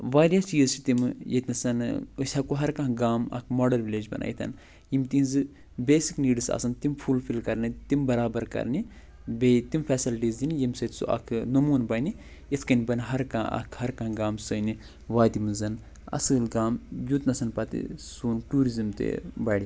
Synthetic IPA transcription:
ʋaːɾjast͡ʃiːzt͡ʃʰi̥t̪imjet̪nɐsɐnɨsʲɐkuɦɐɾkɐ̃ɦɡaːmɐ̰kʰmoːɖɐlʋiled͡ʒbɐ̰nʔa̰ːjit̪ʰɐ̰n | jimt̪inzɨ | beːsikniːɖɨsɐ̰sɐnt̪impʰulfʰilkɐɾnit̪imbɐɾaːbɐɾkɐ̰ɾni | bet̪imfʰɛːsilʈiːzd̪inijimsɐt̪sṵʔɐ̰kʰnɐmuːnbɐni | isʰkɐnʲbɐniɦɐɾkãːɐ̰kʰhɐɾkɐ̃ɦɡaːmsɐni | ʋaːd̪imɨzɐn | ɐ̰sɨlɡaːmjut̪nɐsɐnpɐt̪ḭsuːnʈuːɾizɐmt̪ḛbɐɽi

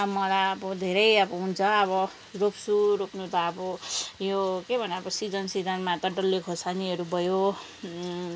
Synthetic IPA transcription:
mʌlaʌbʌd̪ʱeɾʌjʌbʌɦunt͡sʰʌʌβʌ | ropsuɾopnut̪aːbʌjokebʱʌneʌbʌsid͡zʌnsid͡zʌnmat̪ʌɖʌlːikʰosaniʌɾubʱʌjo

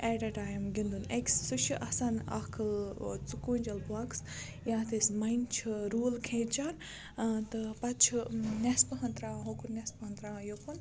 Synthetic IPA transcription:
eʈɐʈaːjmɡʲind̪uneksːuʃiʔɐsanɐ̰kʰɐlt͡sukund͡ʒɐlbaks | jaːt̪ʰesmɐjnt͡ʃʰɾuːlkʰẽːt͡ʃaːn | t̪ɨpɐt͡ʃʰnʲɐspɨɦɐnt̪ɾãːɦokuɾnʲɐspɐɦɐnt̪ɾãːjokun

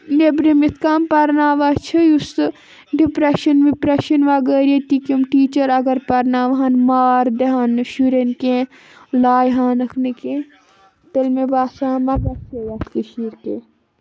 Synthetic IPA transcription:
nebɾimit̪ʰkaːmpɐɾnaːʋat͡ʃʰɨjus | ɖipɾeʃɐnʋipɾeʃɐnʋaːɡəːɾet̪ikimʈiːt͡ʃɐɾɐɡɐɾpɐɾnaːʋɦaːnmaːɾd̪eɦaːnʃuɾenkẽ | laːjɦaːnɐkʰnekẽ | t̪elmebaːsaːmɐbɐsejɐt̪ʰkiʃiːɾke

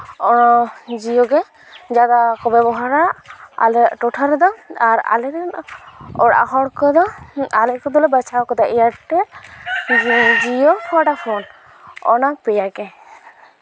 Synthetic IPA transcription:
ɔɔd͡ʒijɔɡɛ | d͡ʒad̪akɔbɛbɔɦaɾaa̰lɛʈɔʈʰaɾɛd̪ɔaɾa̰lɛɾɛnɔɽa̰ɦɔɽkɔd̪ɔalɛkɔd̪ɔlɛbat͡ʃʰakɔd̪aʔijaʈɛɾ | d͡ʒijɔkaɖapʰɔn | ɔ̰nak̚pɛjakɛ

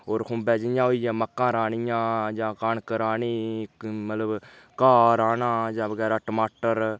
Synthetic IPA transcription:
oːɾhʊ̃ːbɛːd͡ʒɪjãːɦoːiːjãːməkːãːɾaːɳɪjãːd͡ʒãːkaːɳkəɾaːɳiːmət̪ləb | kaːɾaːnãːd͡ʒãːbəɡɛːɾaːʈəmaːʈəɾ

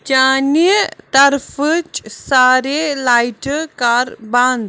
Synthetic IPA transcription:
t͡ʃaːnit̪ɐɾfət͡ʃsaːɾelaːjʈkaːɾbãːnd̪

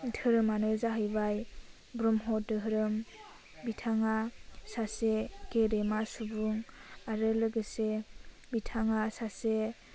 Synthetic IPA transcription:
dɯɾɯmanɯzaɦɯjbaj | bɾɔmɦɔdɯɦɾɯm | bitʰaŋasasekeɾemasubuŋaɾɯlɯɡɯse | bitʰaŋasase

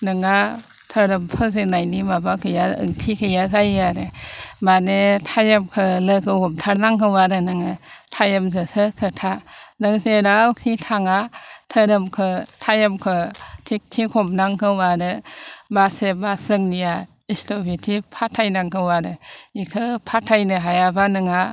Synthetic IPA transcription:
nɯŋatʰəɾɯmpʰɯzenajnimabakʰɯjaɯ̰ŋtʰikʰɯjazajaɾɯmanetʰajamkʰɯlɯkʰɯhɔmtʰaɾnaŋkʰɯwaɾɯnɯŋɯtʰajəmzɯsɯkʰɯtʰanɯŋzeɾawkʰitʰaŋatʰəɾɯmkʰɯtʰajamkʰɯtʰik̚tʰikʰomnaŋkʰɯwaɾɯbasebasɯŋnija | istobitʰipʰatʰajnaŋkʰɯwaɾɯikʰɯpʰatʰajnɯɦajabanɯŋa

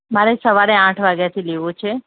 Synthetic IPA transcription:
maɾesəʋaɾeãʈʰʋaɡjat̪ʰileʋũt͡ʃʰe

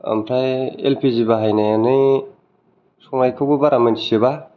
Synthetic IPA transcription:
a̰mpʰɾajḛlpʰizibaɦajnajanɯj | sɔŋnajkʰɯɡubaɾʔamentʰisiba

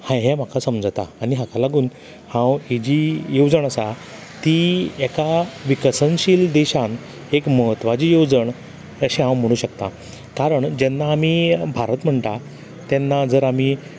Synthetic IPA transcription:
hãɦem̤akʰasəmd͡zt̪a̰ːniɦãkʰalaɡuːn | hãwid͡ʑijod͡zəɳ̃əsa | t̪iɛkaʋikəsənɕiːld̪eɕãn | ekməɦət̪ʋad͡ʑiːjod͡zəɳ | əɕiɦãwm̤əɽ̃uːɕəkt̪a | kaɾəɳd͡ʑɛnːaːmibʱaɾət̪m̤əɳʈ̪a | t̪ɛnːad͡zəɾami

